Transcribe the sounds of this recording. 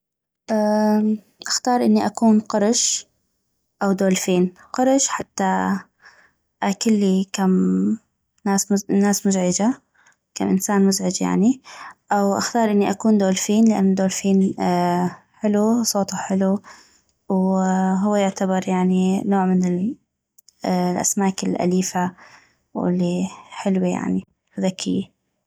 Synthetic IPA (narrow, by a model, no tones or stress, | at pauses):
ʔaː | ʔaxt̪ɑːɾˤʔɪnːiʔakuːnqɑɾˤʃ | ʔawd̪oːlfiːn | qɑɾˤʃħat̪ːa | ʔakɪlːikam | naːsmʊnaːsmʊzʕɪd͡ʒa | ka̰mʔɪnsaːnmʊzʕɪd͡ʒja̰ʕniʔawʔaxt̪ɑːɾˤʔɪnːiʔakuːnd̪oːlfiːnlɪʔa̰nːʊd̪oːlfiːn | ħɪlusˤoːt̪uħɪlu | wɦʊwːajɪʕt̪abɑɾˤjaʕninoːʕmɪnɪl | lʔa̰smaːkɪlʔa̰liːfa | wɪ̰lːiħɪlwija̰ʕni | ʊðakʰːɪjːa